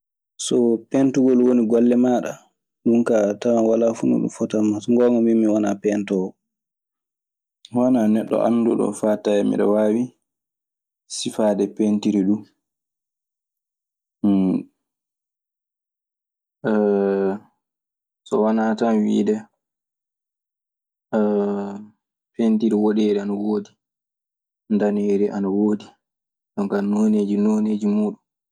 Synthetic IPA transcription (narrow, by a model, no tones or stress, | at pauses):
sɔpɛntuɡɔlwoniɡɔlːɛmaɗa̰ | ɗumkatamawalafunṵɗṵmfɔtamːasŋɡɔŋɡɔmiːiwanapɛntɔɔ | wananɛɗːɔ̰ʔa̰ndṵɗɔ̰faːtajɛmḭɗɔwaːwi | sifaːdɛpentiɾiɗu | sɔwanatanwḭːdɛ | pentiɾiwoɗɛɾɛanawoːdi | ndaneɾɛʔanawoːdi | ɗɔŋkanoneːd͡ʒinoneːd͡ʒimuːɗun